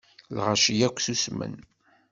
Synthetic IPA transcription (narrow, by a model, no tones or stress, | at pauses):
lʁaʃijækʷːθusmə̰n